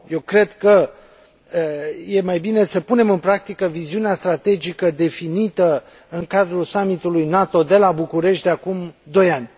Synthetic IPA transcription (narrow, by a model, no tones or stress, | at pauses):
je̞wkɾe̞d̪kə | je̞majbine̞səpune̞mɨnpɾak̚t̪ikəviziuneast̪ɾat̪e̞d͡ʒikəd̪e̞finit̪ə | ɨŋkad̪ɾulsamit̪ulujnat̪o̞d̪e̞labukuɾe̞ʃt̪d̪eakumd̪o̞janʲ